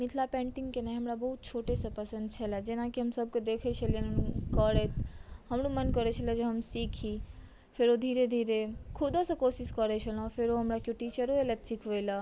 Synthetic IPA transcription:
mɪt̪ʰlapẽːɳʈiŋɡkenaɦɐmɾabɐɦut̪̚t͡ʃʰoːʈesepɐsə̃nd̪̚t͡ʃʰɐlad͡ʒenakiɦəmsɐb̚ked̪eːkʰet͡ʃʰəlenkəɾet̪ʰhɐmɾumɐnkəɾet͡ʃʰəlad͡ʒeɦɐmsiːkʰi | fʰeɾod̪ʱiːɾed̪ʱiːɾekʰʊd̪osɐkoːsiskəɾet͡ʃʰəlõfʰɪɾoɦɐmɾakjoʈiːt͡ʃəɾoelet̪sikʰʋejla

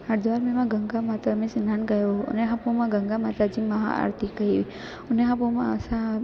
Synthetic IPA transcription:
aɾd̪ʋaɾmemãɡəŋɡamat̪amẽsinanɡəjo̰neɦãpõmãɡəŋɡamat̪ad͡ʒiməɦa̰a̰ɾt̪ʰikəɦiʋi | əneɦãpomãəsa

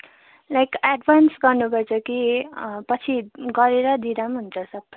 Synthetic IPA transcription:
lajkaɖbʱansɡʌrnupʌrt͡sʰʌkipʌt͡sʰiɡʌɾeɾʌd̪id̪amɦunt͡sʰʌsʌbːʌ

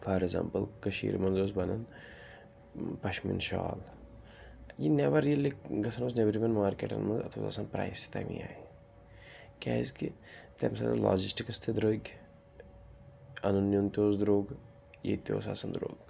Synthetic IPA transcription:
faːɾeɡza̰ːmpəlkɐʃḭːɾmɐnzoːsbɐnɐn | pɐʃmḭnʃa̰ːl | jinɛʋɐɾiilikɡɐsʰɐnoːsnʲɐbɾibɐnmaːɾkḛːʈɐ̰nmɐnzɐ̰t̪ʰo̰ːza̰sɐnpɾa̰ːjst̪ʰi̥t̪ɐmḭaːi | kʲaːizkit̪ɛmsɐ̰nɐ̰la̰ːd͡ʒisʈikɐst̪ʰed̪ɾoːkʲ | ɐnɐnːjont̪ʲoːzd̪ɾoːɡ | jḛt̪o̰ːsa̰ːsɐnd̪ɾoːɡ

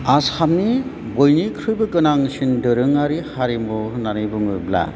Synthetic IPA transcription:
asamni | bojnikʰɾɯjbɯkɯnaŋsindɯɾɯŋaɾihaɾimɔnanɯjbɯŋɯbla̰

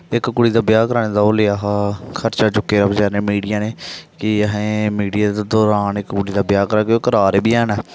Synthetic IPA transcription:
ɪkkʊɽiːd̪aːbjaːkəɾaːnẽːd̪aːoːleːaːɦakʰəɾt͡ʃaːt͡ʃʊkːeːɾəbd͡ʒaːɾnẽːmiːɖijaːneːkɪəɦẽːmiːɖijaːt̪ːd̪ɔːɾaːnɪkkʊɽiːd̪aːbɪjaːkəɾaːkeoːkəɾaːɾeːbiːɛːnɛː

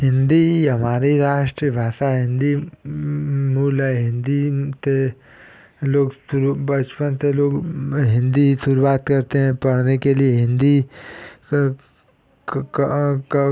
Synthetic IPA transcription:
ɦɪ̃nd̪iɦɐmaːɾiɾaːʃʈɾibʱaːsaɦɪ̃nd̪i | muːlɛ̃ɦɪ̃nd̪it̪e | loːɡsuɾbɐt͡ʃpənt̪eloːɡɦɪ̃nd̪isuɾuwaːt̪kɐɾt̪eɦɛ̃pɐɽnekelieɦɪ̃nd̪i

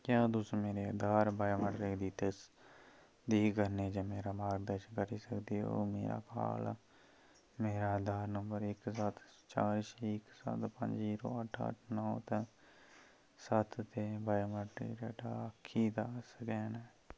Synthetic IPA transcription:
kjãːd̪ʊsmeːɾeːd̪aːɾbaːjməɖɾiːd̪iːt̪es | d̪iːɡəɾneːd͡ʒaːmeːɾaːmaːɡd̪əʃkəɾiːsəkd̪iːo̰ːmḛːɾa̰ːka̰ːl | meːɾaːd̪aːɾnəmbəɾɪksət̪ʰt͡ʃaːɾʃɪksə̰t̪pə̰ɲd͡ʒiːɾoːəʈʰə̰ʈʰnɔ̃ːt̪ | sət̪ʰt̪eːbaːməʈɾḭːɾɛːʈaːəkʰːiːd̪aːsəkɛːnɛː

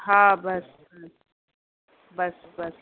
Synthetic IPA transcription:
hãbɐs | bɐs | bɐs

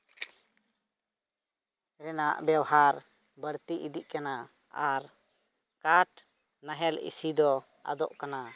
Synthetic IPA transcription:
ɾɛnaʔbɛwaɦaɾ | bəɾt̪iʔid̪iʔkana | aɾ | kaʈ | naɦɛlḭsid̪ɔ | a̰d̪ɔʔkana

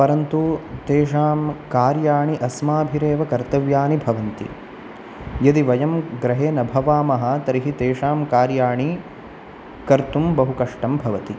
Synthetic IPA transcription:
pɐɾɐnt̪ut̪eːʂaːmkaːɾjaːɳiʔɐsmaːbʱiɾeːʋɐkɐɾt̪ɐʋjaːnibʱɐʋɐnt̪ḭ | jɐd̪iʋɐjɐmɡɾɐɦeːnɐbʱɐʋaːmɐɦɐt̪ɐɾiɦit̪eːʂaːmkaːɾjaːɳi | kɐɾt̪umbɐɦukɐʂʈɐmbʱɐʋɐt̪i

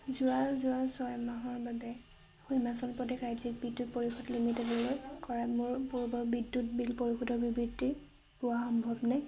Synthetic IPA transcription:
zʊazʊasɔjmaɦɔɹbabɛ | xujmasɔnpɹɔtekɹajzik̚bidːut̚poɹixʰɔtlimitɛdɔlɛkɔɹamʊɹpuɹbɔbidːutbilpoɹixudɔɹbibɹidi | bʊaxɔmbʱɔbnaj

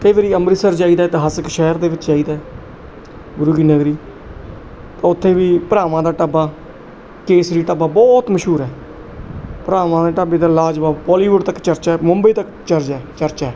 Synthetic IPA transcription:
t̪eːʋeːɾiːəmbɾiːsəɾd͡ʒaːiːd̪aːɪt̪ɦaːsəkʃɛːɾd̪eːʋɪt͡ʃd͡ʒaːiːd̪aːɛː | bʊɾuːɡiːnəɡɾiː | t̪ãːʊt̪ʰːẽːʋiːpəɾaːʋãːd̪aːʈəbaː | keːsɾiːʈəbaːbɔːt̪məʃɦuːɾɛː | pəɾaːʋãːd̪aːʈabeːd̪aːlaːd͡ʒʋaːpɔːliːʋʊɖt̪əkt͡ʃəɾt͡ʃaːɛmʊmbəiːt̪ək | t͡ʃəɾd͡ʒaːt͡ʃəɾt͡ʃaɛː

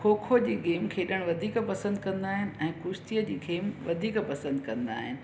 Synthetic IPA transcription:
kʰoːkʰod͡ʑiːɠeːmkʰeːɗəɽ̃ʋɐd̪ʱiːkpɐsə̃nd̪kɐ̃nd̪aːɦɪnɪ̆ɛ̃ːkʊʃt̪ijəd͡ʑiːɡeːmʋɐd̪ʱiːkpɐsə̃nd̪kɐ̃nd̪a̰ːɦɪnɪ̆

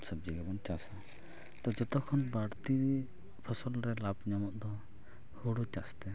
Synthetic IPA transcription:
sɔb̚d͡ʒiɡɛbɔnt͡ʃasa | t̪ɔd͡ʒɔt̪ɔkʰɔnbaɽt̪iɾ | pʰɔsɔlɾɛlabɲamɔt̪d̪ɔ | hoɽut͡ʃast̪ɛ

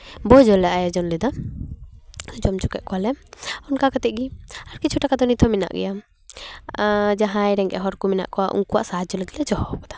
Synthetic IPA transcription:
bɔd͡ʒɔlɛʔajad͡ʒɔnlɛd̪ɔ | d͡ʒɔmt͡ʃukɛ̰ʔ̚kɔwalɛmɔnkakat̪ɛʔ̚ɡiaɾkit͡ʃʰuʈakad̪ɔnit̪ʰɔmina̰ʔɡɛ̰ja | d͡ʒaɦãjɾɛŋɡɛ̰ɦɔɾkumina̰ʔkɔwaʔṵŋkuwa̰ʔsaad͡ʒɔlɛt̪lɛd͡ʒɔhɔkɔ̥d̪ḁ

